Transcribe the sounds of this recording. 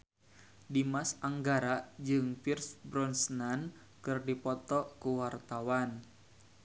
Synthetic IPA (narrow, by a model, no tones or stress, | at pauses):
dimasaŋɡaɾad͡ʒɨŋfirsbɾɔnsnan | kɨrdipɔt̪ɔkuwart̪awan